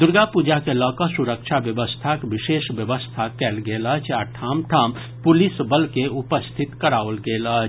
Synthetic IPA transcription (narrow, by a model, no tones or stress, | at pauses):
d̪ʊɾɡapuːd͡ʒakelɔːkasʊɾəkʃʰaʋjəʋəst̪ʰakʋɪʃeːʃʋjəʋəst̪ʰakɛːlɡeːlat͡ʃʰaʈʰaːmʈʰaːm | pʊlɪsbəlkeʊpəst̪ʰɪt̪kəɾaːʋəlɡeːlat͡ʃ